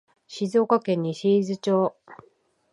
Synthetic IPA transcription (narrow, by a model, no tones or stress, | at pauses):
ɕizo̞ːkakẽ̞ɲ̟ːiɕiːzɨt͡ɕoː